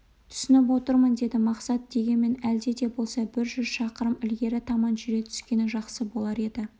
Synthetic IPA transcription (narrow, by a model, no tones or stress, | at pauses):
t̪ʰʏ̥sʏnɪp̬wo̞t̪əɾmənd̪e̞d̪ɪmɑqsɑt̪̚d̪e̞ɡʲe̞nme̞næld̪e̞d̪e̞bo̞lˠsɑbɪɾʒʏzʃɑqəɾəmɪlɡʲe̞ɾɪt̪ʰɑmɑnʒʏɾe̞t̪ʰʏ̥skʲe̞nɪʒɑqsəbo̞lˠɑɾe̞d̪ɪ